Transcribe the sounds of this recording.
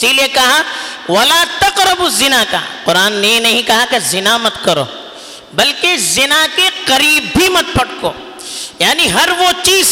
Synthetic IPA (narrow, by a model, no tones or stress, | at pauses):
siːlekɐɦaʋɐlaːt̪ɐqɾɐbʊzɪnaka̰qʊɾaːnːejenɐɦĩkɐɦakezɪnamɐt̪kɐɾo̰ː | bɐlkezɪnakeqɐɾiːbʱimɐt̪̚pɐɽko̰ː | jaːniɦɐɾʋot͡ʃiːz